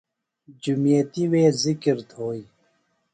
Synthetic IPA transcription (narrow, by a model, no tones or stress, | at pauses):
d͡ʑumijɐt̪iweːzikɾt̪ʰoːi